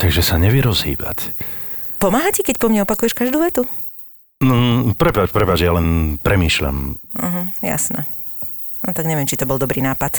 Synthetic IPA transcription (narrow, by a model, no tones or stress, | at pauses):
t̪aɡʒɛsaɲɛʋɪjɛɾɔzɦḭːba̰c | pɔmaːɦacɛkɛcpɔmɲɛɔpakujɛʃkaʒd̪uːʋɛt̪u | npɾɛpat͡ʃpɾɛpaːd͡ʒɛjalɛnpɾɛmiːʃʎa̰m̩ɦ̩ja̰snɛ̰ | nɔt̪aɡɲɛʋɪɛmt͡ʃit̪ɔbɔld̪ɔbɾiːnaːpat̪